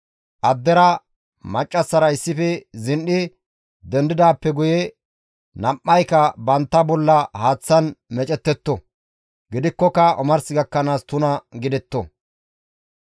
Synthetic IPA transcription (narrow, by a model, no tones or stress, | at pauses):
ʔɐd̪ːɛɾɐ | mɐt͡ʃʼːɐsːɐɾɐɪsːɪfɛzɪnɗɪ | d̪ɛnd̪ɪd̪aːpːɛɡʊjɛ | nɐmʔːɐjkɐbɐnt̪ːɐbɔlːɐhaːt͡sːɐnmɛt͡ʃʼɛt̪ːɛt̪ːɔ | ɡɪd̪ɪkːɔkɐʔɔmɐɾsɪɡɐkːɐnaːst̪ʊnɐɡɪd̪ɛt̪ːɔ